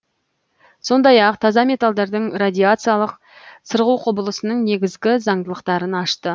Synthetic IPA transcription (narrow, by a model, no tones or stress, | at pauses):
so̞nd̪ɑjɑqt̪ʰɑzɑme̞t̪alˠd̪ɑɾd̪əɴrad̪ʲijat̪sɨjalˠəq | səɾʁuqʰʊbəlˠəsənəɴne̞ɡʲɪzɡʲɪzɑɴd̪əlˠəqt̪ɑɾənɑʃt̪ə